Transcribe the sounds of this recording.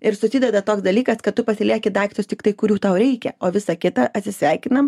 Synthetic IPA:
ɪɾsʊsʲɪd̪ʲɛd̪ɐt̪oːksd̪ɐlʲiːkɐskɐt̪t̪ʊpɐsʲɪlʲiɛkʲɪd̪ɑːkt̪ʲɪjost̪ʲɪkt̪ɐɪkʊɾʲuːt̪ɐʊɾʲɛɪkʲɛoːʋʲɪsɐkʲɪt̪ɐʔɐt̪ʲsʲɪsʲʋʲæɪkʲɪnɐm

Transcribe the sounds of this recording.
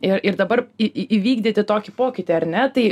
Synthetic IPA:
ɪɾɪɾd̪ɐbɐrɪʔʋʲiːɡd̪ʲit̪ʲɪt̪oːkʲɪpoːkʲɪt̪ʲɪɐɾʲnʲɛt̪ɐɪ

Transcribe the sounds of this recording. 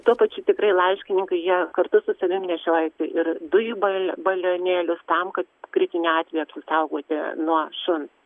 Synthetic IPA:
t̪uɔpɐt͡ʃʲʊt̪ʲɪkɾɐɪlˠɐɪʃʲkʲɪnʲɪŋkɐɪjiɛkɐrt̪ʊsʊsɐʋʲɪmʲnʲɛʃʲoːjɛsʲɪʔɪrd̪ʊjubɐbɐlʲoːnʲeːlʲʊst̪ɐmkɐt̪kɾʲɪt̪ʲɪnʲɛɑːt̪ʲʋʲɛːjɛɐpʲsʲɪsɐʊɡoːt̪ʲɪ̰nuɔʃʊn

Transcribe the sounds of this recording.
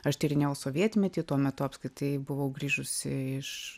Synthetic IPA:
ɐʃt̪ʲɪɾʲɪnʲejɛʊsoːʋʲiɛt̪ʲmʲɛt̪ʲiːt̪uɔmʲɛt̪ʊɐpskɾʲɪt̪ɐɪbʊʋɐʊɡɾʲiːʒʊsʲɪɪʃ

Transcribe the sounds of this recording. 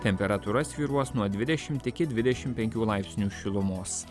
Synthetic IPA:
t̪ʲɛmʲpʲɛɾɐt̪uɾɐsʋʲiːɾuɔsnuɔd̪ʲʋʲɪd̪ʲɛʃʲɪmt̪ʲɪkʲɪd̪ʲʋʲɪd̪ʲɛʃʲɪmpʲɛŋʲkʲuːlˠɑɪpʲsʲnʲuːʃʲɪlˠʊmoːs

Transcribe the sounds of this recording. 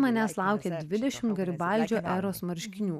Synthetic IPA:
mɐnʲæslˠɑˑʊkʲeːd̪ʲʋʲɪd̪ʲɛʃʲɪmt̪ɡɐɾʲbɑlʲˑd͡ʒʲoːʔæːɾoːsmɐɾʲʃʲkʲɪnʲuː

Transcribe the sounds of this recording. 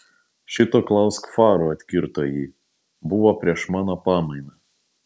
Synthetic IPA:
ʃʲɪt̪oːklˠɐʊskfɑːɾoɐt̪ʲkʲɪɾt̪oːjiː | bʊʋoːpʲɾʲiɛʃmɑːnoːpɑːmɐɪnʲɐ

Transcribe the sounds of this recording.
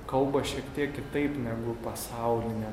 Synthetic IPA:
kɐlˠbɐʃʲiɛkt̪ʲiɛkkʲɪt̪ɐɪpnʲæːɡʊpɐsɐʊlʲɪnʲɛ

